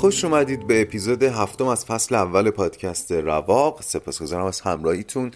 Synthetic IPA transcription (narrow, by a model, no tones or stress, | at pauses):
xo̞ʃumæd̪iːd̪̚be̞ːpʰiːzoːd̪eɦæft̪omæz̥fæsleævːæle̞pʰɒːd̪̥cʰæst̪ʰe̞ɾævɒːɢse̞pʰɒːsɡo̞zɒːɾæmæz̥hæmɾɒːhiːt̪ʰun